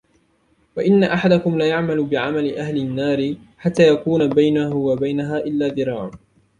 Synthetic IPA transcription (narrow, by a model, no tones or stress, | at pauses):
waʔɪnːaʔaħad̪akʊmlaːjaʕmalʊbɪʕamalɪʔahlɪnːaːɾɪ | ħat̪ːaːjakuːnabajnahʊwabajnaɦaːʔɪlːaːðɨɾˤɑːʕa